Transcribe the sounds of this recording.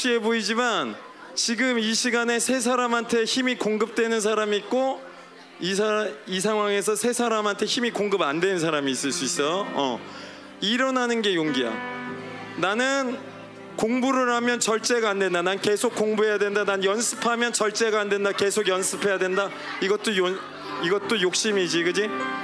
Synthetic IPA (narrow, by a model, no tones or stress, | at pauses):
ɕ͈ie̞boid͡ʑiman | t͡ɕiɡɯmiɕʰiɡane̞sʰe̞s̬ʰaɾamantʰe̞çimikoŋɡɯp̚t͈we̞nɯns̬ʰaɾamiːt̚k͈o | isʰais̬ʰaŋɦwaŋe̞sʰʌsʰe̞sʰaɾamɦantʰe̞çimikoŋɡɯbandwe̞nɯnsʰaɾamiːs͈ɯɭs͈uis͈ʌjoʌ̰ | iɾʌnɦanɯnɡe̞joŋɡiɦa̰ | nanɯn | koŋbuɾɯɾhamjʌnt͡ɕʌɭt͡ɕ͈e̞ɡaːndwe̞ndananke̞sʰok͈̚ːoŋbuɦe̞jadwe̞ndananjʌnsʰɯpʰamjʌnt͡ɕʌɭt͡ɕ͈e̞ɡaːnde̞ndake̞sʰoɡjʌnsʰɯpʰe̞jadwenda | iɡʌt͈ojo | iɡʌt͈ojok̚ɕ͈imid͡ʑiɡɯd͡ʑi